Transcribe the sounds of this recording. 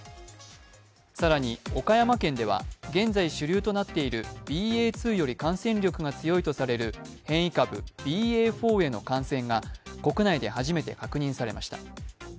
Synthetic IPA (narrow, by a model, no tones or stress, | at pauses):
saɾaɲ̟io̞kajamakẽ̞nd̪e̞β̞a̰ɡẽ̞nd͡zaiɕɨɾʲɯːt̪o̞nat̪ːe̞iɾɯ̟b̥ʲiːeːt͡sɨːjo̞ɾʲikãɰ̃sẽɲɾʲo̞kɯ̟ɡat͡sɨjo̞it̪o̞saɾe̞ɾɯ̟hẽ̞ɰ̃ikabɯ̟̰b̥ʲiːeːɸo̞ːe̞no̞̰kãɰ̃sẽ̞ŋɡako̞kɯ̟naid̪e̞haʑime̞t̪e̞̰kakɯ̟ɲ̟ĩɰ̃saɾe̞maɕi̥t̪a